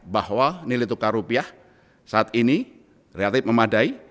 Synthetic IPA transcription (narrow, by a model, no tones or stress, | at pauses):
bahwanilit̪ukaɾupiah | saat̪ini | relat̪ɪfməmadai